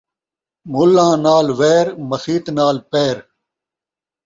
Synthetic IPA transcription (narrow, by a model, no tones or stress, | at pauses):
mʊlːãːnaːlʋeːɾmɐsiːt̪naːlpeːɾ